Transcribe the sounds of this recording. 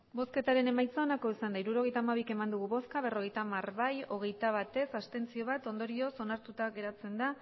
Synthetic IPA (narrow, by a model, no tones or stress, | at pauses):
bo̞ske̞t̪aɾe̞ne̞majt͡saonako̞isand̪aiɾuɾo̞ɣe̞jt̪amaβ̞ike̞mand̪uɣuβo̞skaβ̞e̞ro̞ɣ̞e̞jt̪amarβajo̞ɣ̞e̞jt̪aβ̞at̪e̞sast̪e̞nt͡sio̞β̞at̪o̞nd̪oɾio̞so̞naɾt̪ut̪aɣe̞ɾat͡se̞nd̪a